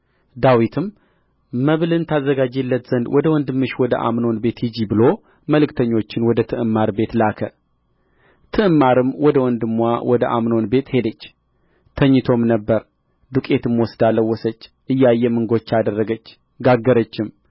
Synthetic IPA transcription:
d̪awit̪ʰɨmː | əβlɨnt̪ʰazːəɡad͡ʒelːət̪z̥ənd̪wɔd̪əwɔnd̪ɨmːɨʃwɔd̪ə̰ʔa̰mno̞nbe̞t̪hɨd͡ʒibɨlo̞ | məlɨkt̪ʰəɲːo̞t͡ʃːɪnwɔd̪ət̪ʰɨʔɨmːaɾbe̞t̪lakʰə | t̪ʰɨʔɨmːaɾɨmwɔd̪əwɔnd̪ɨmːwawɔd̪əʔa̰mnonbe̞t̪he̞d̪ət͡ʃː | t̪ʰəɲːɨt̪ʰo̞mnəbːəɾ | d̪ukʼe̞t̪ʰɨmwɔsd̪aləwːɔsət͡ʃːʔɨjːajːɛmɨŋɡot͡ʃːad̪ərːəɡət͡ʃː | ɡaɡːəɾət͡ʃːɪm

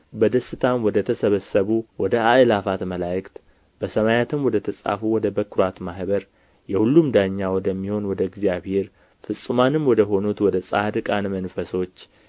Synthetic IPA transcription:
bəd̪əsːɨt̪ʰamwɔd̪ət̪ʰəsəβəsːəβuwɔd̪əaʔɨlafat̪məlajɨkt̪ | b̥əsəmajat̪ʰɨmwɔd̪ət̪ʰəsʼa̰fuwɔd̪əbəkɾat̪mahbəɾ | jɛhulːumd̪aɲːawɔd̪əmːiho̞nwɔd̪əɡzjaβheɾ | fɨsʼːɨmanɨmwɔd̪əɦo̞nut̪wɔd̪əsʼahd̪ɨkʼanmənfəso̞t͡ʃː

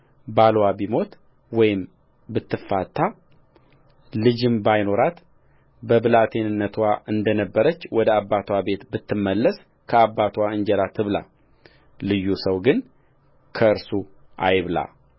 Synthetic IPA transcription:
balwabimo̞t̪ | wɔjɪm | bɨt̪ːɨfːat̪ʰːa | lɨd͡ʒɨmbajno̞ɾat̪ | bəbɨlat̪ʰe̞nɨnːət̪ʰwaʔɨnd̪ənəbːəɾət͡ʃːwɔd̪əabːat̪ʰwabe̞t̪bɨt̪ːɨmːəlːəs | kʰəabːat̪ʰwaɨɲd͡ʒɛɾat̪ʰɨβla̰ | lɨjːusəwɡɨn | kʰəɨɾsuʔa̰jβla̰

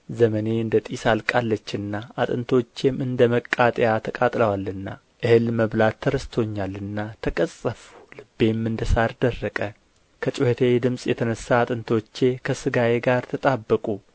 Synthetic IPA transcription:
zəməne̞ɨnd̪ət̪ʼisalkʼalːət͡ʃːɨnːaat̪ʼɨnt̪ʰo̞t͡ʃːe̞mɨnd̪əməkʼːat̪ʼjat̪ʰəkʼat̪ʼləwalɨnːa̰ | ʔɨhɨlməβlat̪ʰːəɾəst̪ʰo̞ɲːalːɨnːat̪ʰəkʼəsʼəfu̥lɨbːe̞mːɨnd̪əsaɾd̪ərːəkʼə | kʰət͡ʃʼɪhet̪ʰed̪ɨmsʼjɛt̪ʰənəsːaːt̪ʼɨnt̪ʰo̞t͡ʃːe̞kʰəsɨɡajeɡaɾt̪ʰət̪ʼabːəkʼu

